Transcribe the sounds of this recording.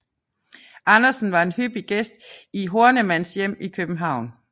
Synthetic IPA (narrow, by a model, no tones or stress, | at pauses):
ʔɑ̈nɐsn̩ʋɑ̈e̝nhyb̥iɡ̥esd̥̚iɦo̝ɐnəmæn̰sjem̰ikʰøb̥m̩ɦɑ̈ʊ̰n